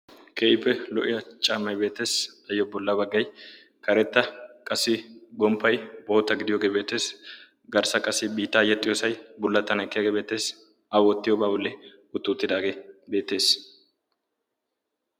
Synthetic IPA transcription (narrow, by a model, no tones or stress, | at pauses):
kʰeːʔɪpːɛlɔ̰ʔɪjɐt͡ʃʼaːmːɐjbe̞ːt̪ːe̞ːsɐjːɔbɔlːɐbɐɡːɐj | kɐɾɛt̪ːɐkʼɐsːɪɡɔmpːɐjboːt̪ːɐɡɪd̪ɪjoːɡeːbe̞ːt̪ːe̞ːs | ɡɐɾsɐkʼɐsɪbiːt̪ːɐːjːɐt̪ʼɪjosɐjbʊlːɐt̪ːɐnɛkːɪjɐɡeːbe̞ːt̪ːe̞ːs | ɐwɔt̪ːɪjɔbaːbʊlːɛ | ʊt̪ːʊːt̪ːɪd̪aːɡeːbe̞ːt̪ːe̞ːs